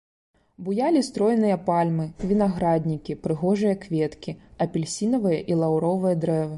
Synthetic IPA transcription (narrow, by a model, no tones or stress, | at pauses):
bujalʲist̪ɾɔjnɨjɐpalʲmɨvʲinaɣɾad̪ʲnʲikʲipɾɨɣɔʐɨjɐkvʲɛt̪kʲiɐpʲilʲsʲinɐvɨjɐʔilˠawɾɔvɨjɐd̪ɾɛvɨ